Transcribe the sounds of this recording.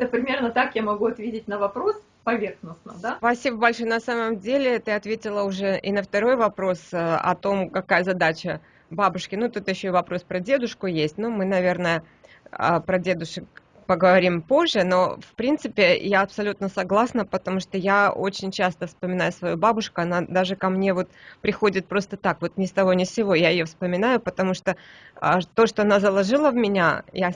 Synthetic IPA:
ɛt̪əpɾʲɪmʲe̞rnət̪akjamɐɡuɐt̪vʲedʲɪtʲnəvɐpɾo̞s | pɐvʲe̞rxnʊsnəd̪apɐsʲibəbɐlʲʂojənɐsaməmdʲelʲɪt̪ɨɐt̪vʲetʲɪlˠəʊʐɛʔɪnəft̪ɐɾo̞jvɐpɾo̞sɐ̰t̪o̞mkɐkajəzɐd̪at͡ɕə | babʊʂkʲɪnut̪ut̪jɪɕːoɪvɐpɾo̞spɾədʲe̞d̪ʊʂkʊjesʲtʲnumɨnɐvʲe̞rnəjə | ə̰pɾɐdʲe̞d̪ʊʂək̚ | pəɡəvɐɾʲimpo̞ʐːɨno̞fpɾʲint̪sɨpʲɪjaɐpsɐlʲut̪nəsɐɡlˠasnəpət̪ɐmuʂt̪ojao̞̰t͡ɕɪnʲt͡ɕast̪əfspəmʲɪnajʊsvɐjubabʊʂkʊɐnad̪aʐɨkɐmnʲevo̞t̪pɾʲɪxo̞dʲɪt̪̚pɾo̞st̪ət̪akvo̞t̪nʲɪst̪ɐvonʲɪsʲɪvo̞jaɪjofspəmʲɪnajʊpət̪ɐmuʂt̪oə̰t̪o̞ʂt̪oɐnazəlˠɐʐɨlˠəvmʲɪnʲaja

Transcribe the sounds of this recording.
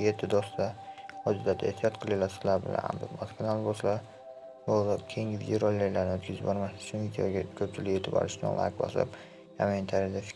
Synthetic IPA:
jet̪ʰːɪd̪ɒst̪ahɒd͡ʒɪd̪ad̪aeht̪ʰijɒt̪qʰɨlˠɪlasɪ̥zlaɾbɪ̰la̰na̰md̪ɪmaskʰʲanalˠbɒʃla | bolˠap̚kʲʰejŋɡʲɪvid̪oɾolʲːajlaɾnɪɵt̪kʰʲɪzɪpbɒɾmasʊt͡ʃʰʊnvid̪ejoɡʲakʰɵp̚t͡ʃʰɪlɪkʲjet̪ʰɪbɒ̰ɾɪʃnɪ̰lˠa̰kbɒ̰sa̰p | jament̪ʰaɾijd̪afɪ̥

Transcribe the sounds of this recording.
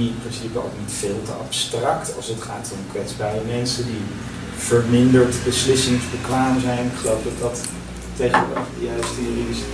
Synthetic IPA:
niprɪnsipəo̰knitfɪːlˠtəʔɑ̰pstrɑktɑlˠsətχaːtʊmkʋɛtzbaːrəmɛnsədi | v̥əɹmɪndəɹtbəslɪsɪŋzbəkʋaːmzɛjnɪkχəlowfdɑtdɑt | teχə̰dəjastːris

